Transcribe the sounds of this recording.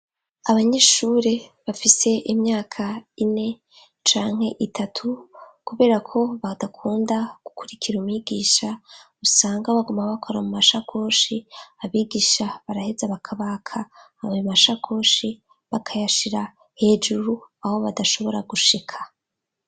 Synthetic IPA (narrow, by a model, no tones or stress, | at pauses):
aβaɲe̞ːʃuɾe̞βafise̞ʔimɲaːkʰaine̞ | t͡ʃaːŋhe̞ʔitʰatʰukuβe̞ːɾakʰo̞βadakʰuːndaɡ̥ukuɾikʰiɾumwiɡiːʃa | usaːŋɡaβaɡumaβakʰo̞ɾamumaʃakʰo̞ːʃiːβiːɡiːʃaβaɾahe̞zaβakʰaβakʰa | βimaʃakʰo̞ːʃi | βakʰajaʃiɾa | he̞ːd͡ʒuɾuaho̞βadaʃoβo̞ɾaɡuʃikʰḁ